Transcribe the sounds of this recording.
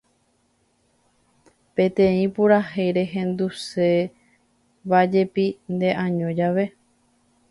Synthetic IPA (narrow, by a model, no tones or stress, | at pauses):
pẽ̞t̪ẽĩpuɾahejɾe̞ɦẽ̞nd̪use̞ | βad͡ʒe̞pind̪e̞ʔãɲõd͡ʒaʋe̞